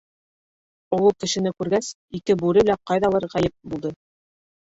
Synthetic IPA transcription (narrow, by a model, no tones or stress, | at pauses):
owɤlˠkɘ̆ʃɘ̆nɘkʉɾɡæs | ikɘbuɾɘlæqɑjðɑlˠɤɾʁæjɘp̚bulˠd̪ɤ